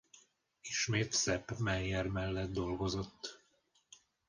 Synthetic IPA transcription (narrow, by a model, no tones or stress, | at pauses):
iʃmeːt̪sɛpmɛjːɛrmɛlːɛd̪d̪o̞lɡo̞zo̞t̪ː